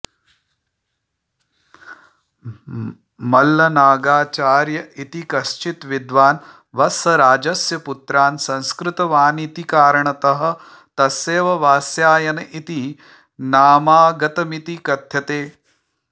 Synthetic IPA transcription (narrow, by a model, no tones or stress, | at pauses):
mɐlːɐnaːɡaːt͡ʃaːɾjɐit̪ikɐʃt͡ʃit̪ʋid̪ʋaːn | ʋɐsɐɾaːd͡ʒɐsjɐput̪ɾaːnsɐ̃nskɾɪt̪ɐʋaːnit̪ikaːɾɐɳɐt̪ɐɦɐ̆ | t̪ɐseːʋɐʋaːsjaːjɐnɐʔit̪i | naːmaːɡɐt̪ɐmit̪ikɐd̪ʱjɐt̪eː